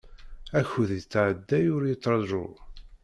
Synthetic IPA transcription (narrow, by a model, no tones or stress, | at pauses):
æçuðjət͡sːʕəd̪ːæjʊɾjət̪ˤːɾˤɑʒʊ̰